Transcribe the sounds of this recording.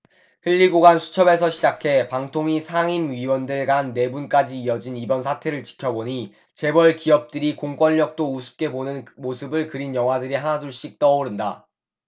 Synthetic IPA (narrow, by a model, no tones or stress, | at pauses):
hɯʎːiɡoɡansʰu̥t͡ɕʰʌbe̞sʰʌɕʰid͡ʑakʰe̞paŋtʰoŋisʰaŋimɥiwʌndɯɭɡanːe̞bunk͈ad͡ʑiːʌd͡ʑinibʌnsʰatʰe̞ɾɯɭt͡ɕi̥kʰjʌboɲi | t͡ɕe̞bʌɭkiʌp̚t͈ɯɾikoŋk͈wʌnːʌk̚t͈ousʰɯ̥p̚k͈e̞bonɯnmosʰɯbɯɭkɯɾinjʌŋwadɯɾihanaduɭɕ͈ik̚t͈ʌoɾɯnda